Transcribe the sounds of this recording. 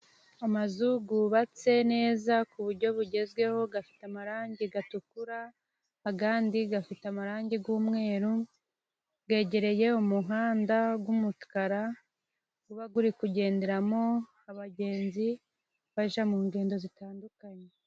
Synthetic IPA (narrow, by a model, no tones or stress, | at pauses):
amazuɡuβat͡se̞ne̞ːzakuβuɾɟo̞βuɟe̞zɡwe̞ho̞ɡafi̥tamaɾaːɲɟiɡatukuɾaː | ɡaːndiɡafitamaɾaːɲɟiɡuːmŋe̞ːɾu | ɡe̞ːɟe̞ɾe̞je̞umuɦaːndaɡwumutkaɾa | ɡuβaɡuɾikuɟe̞ːnde̞ɾamo̞ | aβaɟe̞ːnzi | βaʒamuːŋɡe̞ːndo̞zitaːndukaɲe